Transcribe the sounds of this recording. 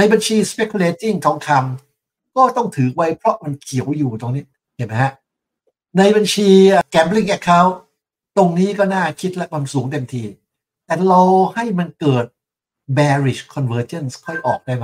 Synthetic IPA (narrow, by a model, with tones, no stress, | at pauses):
na˧jba˧nt͡ɕʰiː˧spe˦˥kʰːu˧leː˧t̪i˥˩ŋt̪ʰɔː˨˦ŋk̪ʰa˧m | kɔː˥˩t̪ɔ˥˩ŋt̪ʰɯː˨˩˦k̚wa˦˥jpʰɾɔ˦˥ma˧nkʰi˩˦wjuː˨˩t̪o˧ŋniː˦˥ | ki˨˩ma˦˥jha˦˥ʔ | na˧jba˧nt͡ɕʰiː˧˨˩kɛː˨˦˩mpli˥˩ŋʔɛ˦˥˩kʰːaː˦˥w | t̪o˧ŋniː˦˥kɔː˥˩naː˥˩kʰi˦˥t̪̚lɛ˦˥kʰwa˧msuː˩˦ŋt̪e˧mt̪ʰiː˧ | t̪ɛː˨˩la˧wha˥˩jma˧nkɤː˨˩t̪̚ | bɛː˧ɾi˨˩kʰɔ˧nwɤː˧t͡ɕe˥˩nskʰɔ˥˩jʔɔː˨˩k̚daː˥˩jma˧